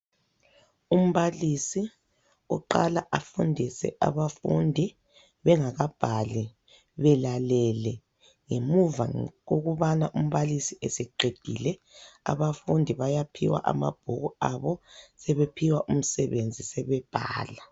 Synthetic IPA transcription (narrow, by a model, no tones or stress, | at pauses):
um̩βalisi | ṵǃalaʔafundʱisɛ̰ʔa̰βafundʱi | βɛŋaɣab̥ʱali | βɛlalɛlɛ | ŋemuva̰ɣoɣuβanaʔum̩βalisiʔesɛǃed̥ʱḭlɛa̰βafundʱiβajapʰiwa̰ʔa̰ma̰b̥ʱuɣuaβɔsɛβepʰiwaʔum̩sɛβend͡zʱisɛβɛb̥ʱaːla